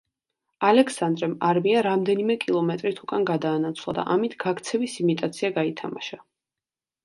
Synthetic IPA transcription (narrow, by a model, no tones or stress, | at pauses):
alɛksand̪ɾɛmaɾmiaɾamd̪ɛnimɛkʼilˠɔmɛt̪ʼɾit̪ʰukʼanɡad̪aːnat̪sʰvlˠa̰d̪a̰ʔamit̪ʰɡ̥akʰt̪sʰɛvisimit̪ʼat̪sʰiaɡait̪ʰamaʃa